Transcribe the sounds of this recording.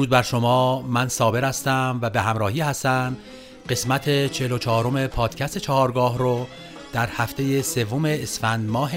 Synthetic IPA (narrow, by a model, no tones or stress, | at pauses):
uːd̪̚bæɾʃomɒːmænsɒːbe̞ɾæst̪æmvæbeɦæmɾɒːhiːhæst̪æn | ɢe̞smæt̪ʰet͡ʃʰelot͡ʃʰɒːɾo̞me̞pʰɒːd̪̥cʰæst̪et͡ʃʰɒɦɒːɾɡɒːɦɾo | d̪̥æɾhæft̪ʰe̞jese̞vːomeːsfænd̪mɒːɦ